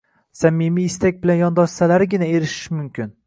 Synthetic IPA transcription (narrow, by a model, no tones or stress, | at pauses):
samːimijːst̪ak̚ʲbɪlanjɒnd̪ɒʃsalaɾɪɡʲɪnae̞ɾɪʃɪ̥ʃmʊmkʲɪn